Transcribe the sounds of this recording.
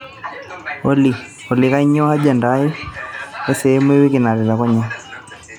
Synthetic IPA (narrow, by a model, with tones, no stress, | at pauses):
o˦li˨ | ɔ˨lɪ˨ka˦i˦ɲɔ˦a˦d͡ʒa˨nda˨˦i˦ | ɛ˦sɛ˨˦m˦e˦wi˦kɪ˨na˨ɾɛ˨ɾa˨kɔ˦ɲa˦